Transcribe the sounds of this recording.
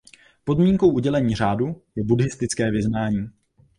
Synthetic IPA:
po̞dmiːŋko̞wʔuɟɛlɛɲiːr̝aːdujɛbudɪst̪ɪt͡skɛːvɪznaːɲiː

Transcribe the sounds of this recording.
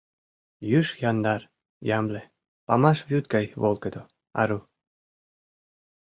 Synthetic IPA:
jyʃjɑnd̪ɑɾ | jɑmle | pɑ̰mɑʃvjut̪̚kɑjβolkəd̪o | ɑ̰ɾu

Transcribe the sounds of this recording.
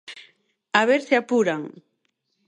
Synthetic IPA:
aβeɾseapuɾaŋ

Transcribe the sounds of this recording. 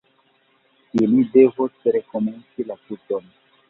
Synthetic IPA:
ilide̞vosɾekome̞nt͡silatuton

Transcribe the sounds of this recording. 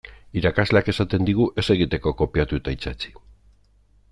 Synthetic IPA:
iɾakazle̞ake̞sat̪e̞nd̪iɣuʔe̞se̞ɣ̞it̪e̞ko̞ko̞piat̪uet̪ait͡sat͡si̥

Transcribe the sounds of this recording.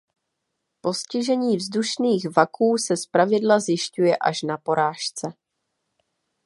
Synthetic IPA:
po̞scɪʒɛɲiːvzduʃniːxvakuːsɛspɾavɪdlazjɪʃcujɛʔaʃnapo̞ɾaːʃt͡sɛ

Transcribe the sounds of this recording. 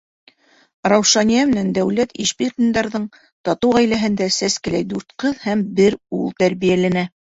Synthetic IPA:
rɑwʃɑnijæmɘ̆nænd̪æwlæt̪iʃpiq̪ĭnd̪ɑɾðɤɴ | t̪ɑt̪owʁæjlæɦɘ̆nd̪æsæskɘ̆læjd̪uɾt̪qɤðhæmbɘɾulˠt̪æɾβijælænæ

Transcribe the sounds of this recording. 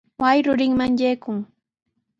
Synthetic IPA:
wajɾʊɾɪŋmaŋʎejkʊŋ

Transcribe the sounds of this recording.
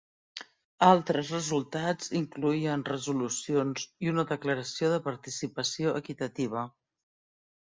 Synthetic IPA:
alˠt̪ɾəzrəzulˠt̪ad͡ziŋkluiənrəzulusionziunəðəkləɾəsioðəpəɾt̪isipəsioʔəkit̪ət̪iβ̞ə

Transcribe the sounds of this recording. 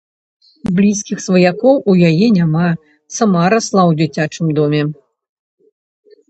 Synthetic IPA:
blʲiskʲixsvɐjakɔwujajɛnʲama | samaɾaslˠawd͡zʲit͡sʲat͡ʂɨmd̪ɔmʲɛ

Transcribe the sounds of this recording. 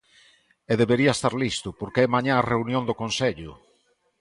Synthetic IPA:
eðeβeɾiaest̪aɾlist̪ʊpoɾkeɛmaɲãareunjõnd̪okonseʎʊ̰

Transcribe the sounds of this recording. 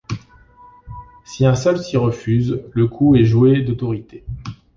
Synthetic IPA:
siɛ̃sœlsiʁəfyzləkʰuɛʒuwed̪ot̪ɔʁit̪e

